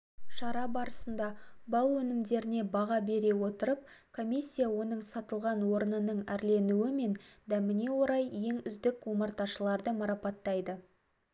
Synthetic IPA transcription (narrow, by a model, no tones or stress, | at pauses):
ʃɑɾɑbɑɾəsənd̪ɑbɑlˠwɵnɪmd̪e̞ɾɪne̞bɑʁɑbe̞ɾe̞wo̞t̪əɾəp̚ | kʰo̞mʲisʲːijawo̞nəɴsɑt̪əlˠʁɑnwo̞ɾənənəɴæɾle̞nuwɪme̞nd̪æmɪne̞wo̞ɾɑjːe̞ŋʏzd̪ɪkwoməɾt̪ɑʃəlˠɑɾd̪əmɑɾɑpɑt̪ːɑjd̪ə